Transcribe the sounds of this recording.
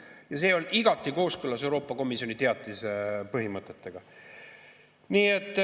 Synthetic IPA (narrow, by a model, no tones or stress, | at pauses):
jɑs̬e̞ːo̞liɡ̥ɑt̪ːˑiko̞ːskylːɑse̞wɾo̞ːpːˑɑko̞misjo̞nit̪e̞ɑt̪lisepɤɦimɤt̪ːˑe̞t̪ːe̞ɡ̥ɑ | niːet̪ːˑ